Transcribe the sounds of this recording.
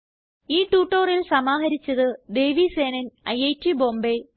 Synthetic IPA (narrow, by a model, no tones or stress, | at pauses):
iːʈuːʈːoːrilsɐmaːɦɐɾit͡ɕːɐðɨd̪e̞jʋiseːnɐnɐjejtːibo̞ːmbe